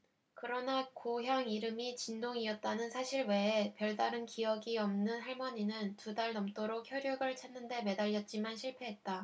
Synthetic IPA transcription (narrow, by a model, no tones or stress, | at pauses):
kɯɾʌnakoɦjaŋiɾɯmit͡ɕindoŋiʌt̚t͈anɯnsʰaɕʰiɭwe̞ːpjʌɭdaɾɯnkiʌɡiʌmnɯnɦaɭmʌɲinɯntudaɭnʌmt͈oɾokʰjʌɾjuɡɯɭt͡ɕʰanːɯnde̞me̞daʎːʌt̚t͡ɕ͈imanɕʰiɭpʰe̞ɦe̞t̚t͈a